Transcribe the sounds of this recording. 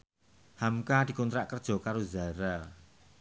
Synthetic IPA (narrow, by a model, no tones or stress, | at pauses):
hamkad̪̥i̤kɔnt̪ɾaʔkərd̥ʒ̥ɔ̤kaɾoza̤ɾa